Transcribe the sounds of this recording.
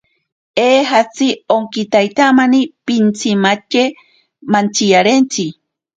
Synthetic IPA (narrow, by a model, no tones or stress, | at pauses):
eːɦat͡sioŋkit̪ajt̪amanipint͡simat͡ʃe | mant͡sijaɾent͡si